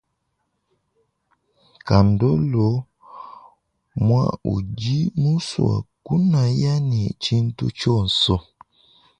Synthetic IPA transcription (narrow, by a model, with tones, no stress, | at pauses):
ka˨n˨do˦lo˨˦ | mwa̰˦u˨d͡ʒi˦mu˦swa̰˨ku˦na˨ja˦nḭ˨t͡ʃi˦n̩˦tṵ˦t͡ʃɔ˦˨n̩˨sɔ˦